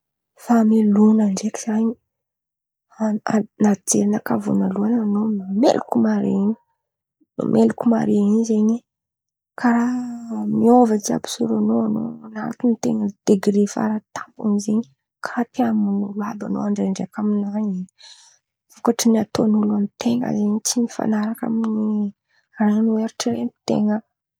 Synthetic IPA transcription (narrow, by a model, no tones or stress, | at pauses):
familunaɳɖ͡ʐekiz̥aɲi | anad͡zeɾinakavṵnaluananommḛlukumaɾḛiɲi | no̰mʔelukuma̰ɾeiɲzeɲi | kʰaɾamiovat͡sia̰pi̥suɾanoano̰anaɾt̪init̪ḛŋəd̪̥eɡɾefa̰ɾat̪ampṵnizeɲi | kʰaɾat̪eamunulabano̰aɳɖ͡ʐeɳɖ͡ʐeakaminaɲii | vokaʈ͡ʂiniat̪onuluamit̪eŋə̰zeɲit͡sinifa̰naɾaka̰mini | ranueɾuʈ͡ʂiɾemt̪ḛŋə